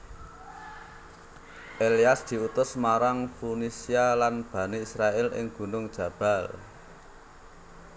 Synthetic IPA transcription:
ʔeliasd̪̥i̤ut̪ʊsmaɾaŋfunisialanb̥ä̤neisɾaɛlɪ̰ŋɡ̥ṳnʊŋd̥ʒ̥ä̤b̥a̤l

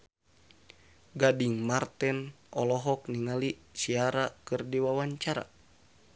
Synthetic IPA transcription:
ɡadiŋmart̪ɛn | ʔɔlɔɦɔk̚niŋalisiaɾakɨrdiwawaɲt͡ʃaɾa̰

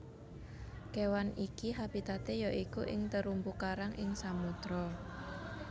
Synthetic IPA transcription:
kewanikiɦabit̪at̪ejɔʔikuʔɪŋt̪əɾumbukaɾaŋʔɪŋsamut̪ɾɔ

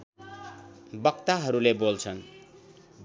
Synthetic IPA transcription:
bʌkt̪aɦʌɾulebolt͡sʰʌn

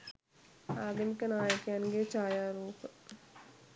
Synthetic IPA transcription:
aːd̪ɐmikɐnaːjəkjanɡeːt͡ʃaːjaːɾuːp

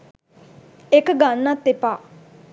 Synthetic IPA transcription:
ɪkɡanːãt̪ɪpaː

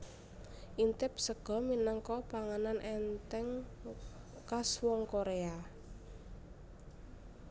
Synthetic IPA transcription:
ʔint̪ɪp̚səɡ̥ɔ̤minaŋkɔpaŋananʔɛnt̪ɛŋ | kaswɔŋkoɾea

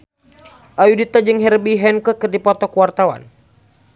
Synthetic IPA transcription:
ʔajudit̪ad͡ʒɨŋɦɛrbiɦɛnkəkɨrdipɔt̪ɔkuwart̪awa̰n

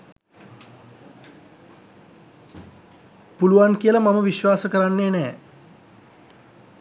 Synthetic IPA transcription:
puluʋankijələmaməʋiʃʋaːsəkəɾanːeːnɛː

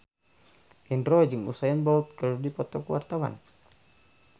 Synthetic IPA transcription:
ʔinrɔd͡ʒɨŋṵsajanbɔlt̪̚kaludipɔt̪ɔkuwa̰rt̪awa̰n

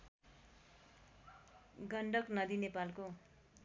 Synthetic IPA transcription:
ɡʌɳɖʌknʌd̪inepalko

